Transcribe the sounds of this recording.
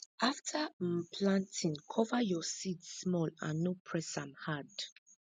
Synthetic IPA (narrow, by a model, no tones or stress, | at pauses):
ʔaftʰəpʰlãntʰĩŋkʰɔvəjɔsidsːmɔlã̰nːopʰɹɛsãmhad